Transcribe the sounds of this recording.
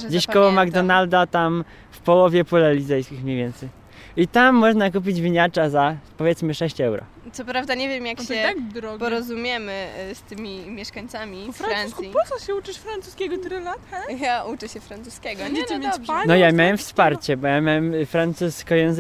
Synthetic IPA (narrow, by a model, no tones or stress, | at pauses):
d͡ʑeɕkɔwɔmaɡd̪ɔnald̪at̪am | fpɔwɔvʲjɛpulalʲit̪zɛjskʲixmɲejvʲɛnt̪sɛj | it̪amːɔʐnakup̬ʲid͡ʑvʲiɲat͡ʂazapɔvʲɛt̪smɘʂɛɕt͡ɕɛwɾɔ̰ | t̪sɔpɾavd̪aɲevʲjɛmjakɕɛaɾɔpɔɾɔzumʲjɛmɘst̪ɘmʲimʲjɛʂkaɲt̪samʲifaɾansipɔsɔɕɛut͡ʂɨʂfɾant̪suskʲɛɡɔt̪ɾɪlat̪jaʔut͡ʂɛɕɛfɾant̪suskʲɛɡɔivanɔjamʲjawɛmfspaɾt͡ɕɛbɔjamʲjawɛmfɾant̪suskɔjɛñz